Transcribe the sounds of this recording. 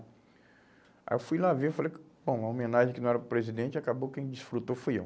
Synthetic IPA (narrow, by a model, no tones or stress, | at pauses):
a̰ewfujlavefalejbõw̃ɐomẽnaʒẽkɪnɐ̃ɛɾɐpɾezid̪ẽt͡ʃɪakabokẽj̃d͡ʒisfɾut̪owfojḛw